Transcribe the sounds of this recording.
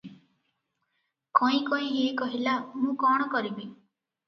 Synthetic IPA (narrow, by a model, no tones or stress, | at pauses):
kɔĩkɔĩɦeːkɔɦilamũkɔɽ̃ɔkɔɾibi